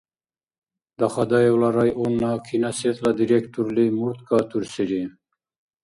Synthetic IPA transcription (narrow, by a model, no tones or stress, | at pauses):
d̪ɑχɑd̪ɑjewlɑɾɑjʔunːɑkʰinɑset̪lɑd̪iɾekt̪ʰuɾlimuɾt̪kʰɑt̪ʰuɾsiɾi